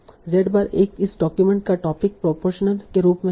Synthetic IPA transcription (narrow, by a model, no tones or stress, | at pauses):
ɾɛːɖbaːɾeːkɪsɖɔːkjumẽɳʈ̚kaʈɔːpɪk̚pɾopoːɾʃənəlkeɾuːpmẽ